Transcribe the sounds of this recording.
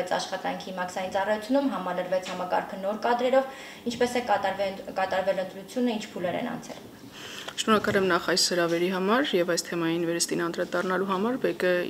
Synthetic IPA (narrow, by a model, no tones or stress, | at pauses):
ɛt͡sʰɑ̰ʃχɑt̪ɑ̰ŋkʰimɑksɑjint͡sɑrɑjut͡sʰjunumɦɑmɑləɾvɛt͡sʰhɑmɑkɑ̰ɾkʰənɔɾkɑd̪ɾɛɾɔv | int͡ʃʰpɛsɛ | kɑt̪ɑɾvɛlənt̪ɾut͡sʰjunəint͡ʃʰpʰulɛɾɛ̰nɑ̰nt͡sʰɛ̰l | ʃnɔɾɑkɑlɛmnɑχɑjsːəɾɑvɛɾiɦɑmɑɾjɛvɑjst̪ʰɛmɑjinvɛɾəst̪inɑnd̪ɾɑd̪ɑrnɑluɦɑmɑɾbɛkə